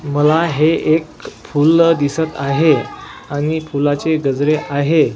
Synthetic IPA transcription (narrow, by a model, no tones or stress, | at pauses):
məlaɦeekfuld̪isət̪aɦe | aɽ̃ifulat͡seɡəd͡zɾeʔaɦe